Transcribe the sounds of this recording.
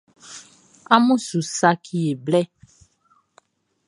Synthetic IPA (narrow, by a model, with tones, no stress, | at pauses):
a˦mũ˦su˨sa˦kʰi˨e˨blɛ˦